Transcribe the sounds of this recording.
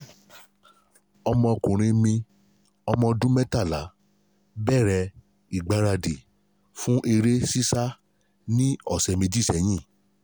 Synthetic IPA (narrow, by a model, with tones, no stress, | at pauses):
ɔ˧mɔ̃˧kũ˨ɾ̃ĩ˧mĩ˧ | ɔ˧mɔ̃˧dũ˦mɛ˦ta˦˨la˨˦ | bɛ˦˨ɾɛ˧ | i˨ɡ͡ba˨˧˦ɾa˧de˨ | fũ˦ʔe˧ɾe˦si˦sa˦ | nĩ˦ɔ˦˨sɛ˨mĩ˧di˦˨sɛ˨j̃ĩ˦˨